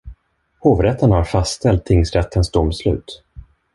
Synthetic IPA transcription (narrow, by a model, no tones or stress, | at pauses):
hoːvɾɛt̪ʰːənhaɾfast̪ʰɛlt̪ʰːɪŋsɾɛt̪ʰːənsd̪ʊmːslʉ̟̰ːt̪